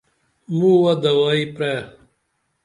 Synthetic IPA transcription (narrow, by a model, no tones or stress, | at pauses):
muːwɐd̪ɐwaːipɾe